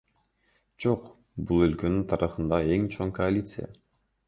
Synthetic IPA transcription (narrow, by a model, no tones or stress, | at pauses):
d͡ʒoq | bulˠø̞lkø̞nynt̪ʰɑɾʔɯχɯnd̪ɑe̞ŋt͡ʃʰo̞ŋkoalʲit̪sɨja̰